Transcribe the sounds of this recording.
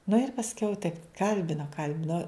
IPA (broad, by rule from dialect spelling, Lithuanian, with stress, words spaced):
nʊ ɪr pɐsʲˈkʲɛʊ tɐɪp ˈkɐlʲbʲɪnoː ˈkɐlʲbʲɪnoː